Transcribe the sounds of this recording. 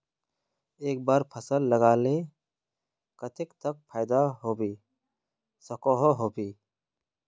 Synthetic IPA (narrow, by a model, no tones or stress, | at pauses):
eːk̚baːɾpʰəsəlːəɡaːle | kɐt̪ʰɪkt̪ək̚pʰaːjd̪aɦoːbiː | sɐkoɦoɦoːbiː